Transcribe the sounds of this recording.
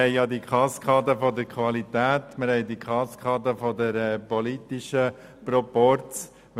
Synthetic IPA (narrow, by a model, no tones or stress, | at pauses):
ɛɪjɑd̪ikʰɑskʰɑːdəfɔdəɾkʰʋɑlit̪æːtmɪɾhɛɪdikʰɑskʰɑːdəfɔdəɾɛpɔlit̪iʃə | pɾɔpɔɾt͡s